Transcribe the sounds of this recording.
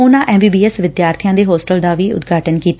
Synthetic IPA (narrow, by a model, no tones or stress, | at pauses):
ʊnãːʔɛ̃ːmbiːbiːɛsʋɪd̪jaːɾt̪ʰijãːd̪eːɦoːsʈəld̪aːʋiːʊ̰t̪ɡʱaːʈənkiːt̪a